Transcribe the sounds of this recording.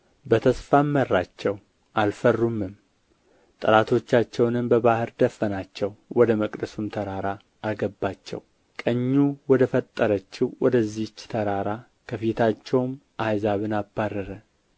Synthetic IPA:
bət̪ʰəsfamːərːat͡ʃːɛw | ʔalfərːumːɨm | t̪ʼɨɾat̪ʰo̞t͡ʃːat͡ʃːɛwnɨmbəβahɨɾd̪əfːənat͡ʃːɛwwɔd̪əməkʼd̪əsumt̪ʰəɾaɾaː | ɡəbːat͡ʃːɛ̰w | kʼəɲːuwɔd̪əfət̪ʼːəɾət͡ʃːɪwwɔd̪əzːit͡ʃːt̪ʰəɾaɾa | kʰəfit̪ʰat͡ʃːɛwmʔajzaβɨnabːarːəɾə

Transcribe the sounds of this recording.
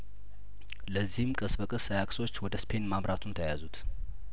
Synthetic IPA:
ləzːihɨmkʼəsbəkʼəsajakʼso̞t͡ʃːwɔd̪əspʰe̞nmaβɾʔat̪ʰunt̪ʰəjazut̪

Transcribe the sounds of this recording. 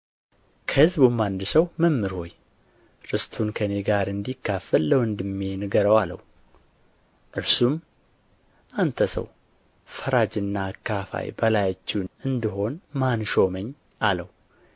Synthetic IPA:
kʰəhɨzbumːand̪ɨsəwməmːɨɾho̞j | ɾɨst̪ʰunkʰəneɡaɾɨnd̪ikːafəlːəwɨnd̪ɨmːinɨɡəɾəwalə̰w | ʔɨɾsum | ʔant̪ʰəsə̰w | fəɾad͡ʒɨnːakʰːafa̰jbəlajt͡ʃːunɨnd̪ɨɦo̞nmanʃo̞məɲː | aləw

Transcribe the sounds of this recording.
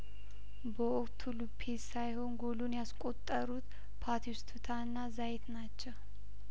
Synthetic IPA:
bəokt̪ʰulupʰːesajho̞nɡolunjaskʼo̞t̪ʼːəɾut̪ | pʰat̪ʰiwst̪ʰut̪ʰanːazajet̪nat͡ʃːəw

